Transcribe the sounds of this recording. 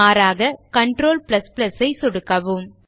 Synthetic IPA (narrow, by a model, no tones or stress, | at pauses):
aːɾaːɣɐkɐɳʈɾoːlplɐsplɐsɐɪsɔɽɯkːɐʋɯm